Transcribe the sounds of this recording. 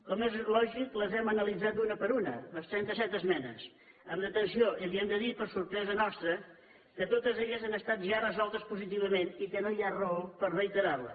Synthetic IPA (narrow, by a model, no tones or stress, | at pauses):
kɔmezlɔʒikləzɛmənəlid͡zat̪̚d̪unəpəɾunə̰ləst̪ɾɛnt̪əs̬ɛt̪əzmɛnə̰s | əmd̪ət̪ənsioʔiliɛmd̪əðipəɾsuɾpɾɛzənɔst̪ɾə | kət̪ot̪əzeʎəzanəst̪at̪̚ʒarəzɔlˠt̪əspuzit̪̬iβ̞əmenikənojarəopəɾrəjt̪əɾarlə̰